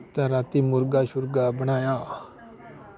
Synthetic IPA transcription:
t̪aɾaːt̪imʊɾɡaʃʊɾɡabəɽ̃aːjaː

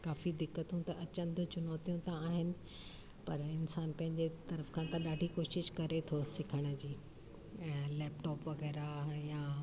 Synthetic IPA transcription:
kaːfid̪ɪkːət̪ũt̪ɐʔɐt͡ɕə̃nd̪ʊt͡ɕʊnɔːt̪ijũt̪ãaːɦɪnɪ̆ | pɐɾɪnsaːnpɐ̃ɦɪ̃ɲd͡ʑet̪ɐɾəfkʰãt̪ãɗaːɖʱikoːʃɪʃkɐɾet̪ʰosɪkʰəɽ̃ə̆d͡ʑiː | ɛ̃ːlɛːpʈɔːpʋɐɣɛːɾajaː

